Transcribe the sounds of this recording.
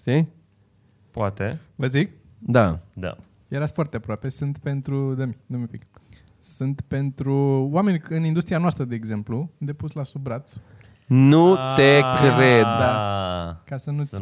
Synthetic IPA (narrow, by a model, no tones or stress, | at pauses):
ʃt̪i | poat̪evəzik̚ | d̪ad̪a̰ | jeɾasfoart̪eapɾoape̞sɨnt̪pe̞nt̪ɾud̪emid̪omepik | sɨnt̪pe̞nt̪ɾuwame̞nʲɨnind̪ust̪ɾianoast̪ɾəd̪e̞ːɡze̞mplud̪e̞puslasubɾat̪s | nut̪ekɾed̪d̪a | kasənu